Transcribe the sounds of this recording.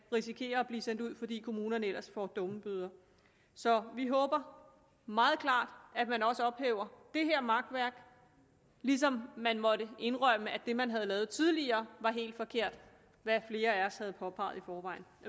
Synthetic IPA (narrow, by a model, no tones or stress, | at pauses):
ʁisikʰe̝̰ːɐ̽ːb̥liːsen̰d̥uð̰ˠfɒ̽d̥ḭːkʰo̝muːnɐnəelɐsfɒ̰d̥ɔ̽məb̥yð̞ˠɐ | sɒ̽ʋiɦɔ̽ːb̥ɐ | mɑ̈ːð̞̩ˠkʰlɑ̰̈ːd̥æd̥mænɒ̽səɒ̽b̥heːʊɐd̥e̝ɦeɐ̰mɑ̈ɡ̥̚d̥ʋæɐɡ̥ | lis̬ɒ̽mːænmɒ̽ɾəʔe̝nʁœməæd̥e̝mænɦæð̞ˠlɛːð̩ˠt͡sʰið̞ˠliɐːʋɑ̈ɦe̝̰ːld̥fɒ̽kʰe̝ɐ̰d̥ | ʋæfle̝ːɐæɒshæð̞̩ˠpʰɒ̽pʰɑ̈ːð̩ˠifɒːʋɑ̈ɪ̰n̩